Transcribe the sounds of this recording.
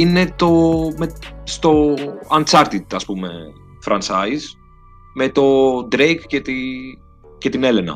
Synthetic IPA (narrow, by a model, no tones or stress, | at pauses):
inet̪o̞mest̪o̞ɐnt͡sɐɾt̪it̪ɐspumḛ | fɾɐnt͡sɐjs | met̪o̞d̪ɾejkcet̪i | cet̪inelenɐ̰